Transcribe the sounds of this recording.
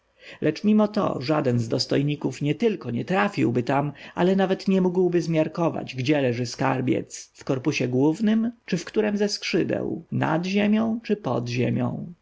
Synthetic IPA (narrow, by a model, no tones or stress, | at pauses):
lʔɛt͡ʂmʲimɔt̪ɔ̰ʐad̪ɛnzd̪ɔst̪ɔjɲikufɲɛt̪ɘlkɔɲɛt̪ɾafʲḭwbɘt̪ama̰lɛnavɛt̪ɲɛmuɡwbɘzmʲjaɾkɔva̰d͡ʑɡd͡ʑɛlɛʐɘska̰ɾbʲjɛ̰t̪sfkɔɾpuɕɛɡwuvnɘmt͡ʂɘfkt̪uɾɛmzɛskʂɘd̪ɛ̰wna̰d̪ʑemʲjɔ̃w̃t͡ʂɘpɔ̰d̪ʑḛmʲjɔ̰̃w̃